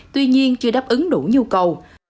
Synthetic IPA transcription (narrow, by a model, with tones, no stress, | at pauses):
t̪wi˧ɲi˧ənt͡ɕɨ˧əɗaː˦˥p̚ʔɨ˨˦ŋɗu˧˩ɲu˧kə˨˩w